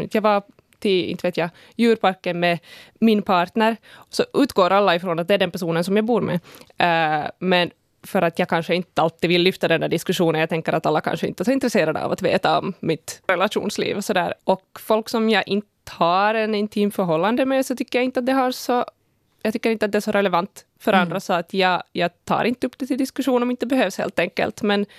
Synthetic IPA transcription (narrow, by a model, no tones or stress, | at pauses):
t̪jaːva | t̪ʰɪɪ̰nt̪əveːt̪ja | jʉːɾpaɾkːənmɛmɪnpʰɑːʈnəɾsɔʔʉ̟ːt̪ɡoːɾʔalːaɪfɾɔːnat̪̚d̪ɛæɖɛnpæʂuːnənsɔmjɑːɡbuːɾmɛ̰ | mɛn | fœɾat̪jɑːɡkʰanʂəɪnt̪əalt̪ːɪvɪlːʏft̪ad̪ɛnd̪æɖɪskʉʂuːnənjaɡt̪ɛŋkːəɾa̰t̪alːakʰa̰nʂəɪ̰nt̪əsɔɪnt̪ɾɛseːɾad̪ə̰a̰va̰t̪vḛːt̪aɔ̰mːɪt̪ɾɛlaʂṵːnslḭːvɔsɔd̪æːɾʔɔkfɔlksɔmjɑʔɪnt̪ə̥haɾɛnɪnt̪ʰiːmfœɾɦɔlːand̪əmɛsɔt̪ʰʏkːəɾjaɪnt̪əat̪̚d̪ɛɦaɾsɔ | jɑɡt̪ʰʏkːəɾɪnt̪əat̪d̪ɛæʂɔɾʔɛlɛvant̪ | fœɾʔand̪ɾasɔat̪ʰjɑːɡjɑːɡt̪ʰɑ̰ːɾʔɪnt̪əɵpːd̪ɛt̪ɪld̪ɪskʉʂuːnɔmɪnt̪ːəbɛhøːvshḛːlt̪ɛŋkə̰lt̪mɛn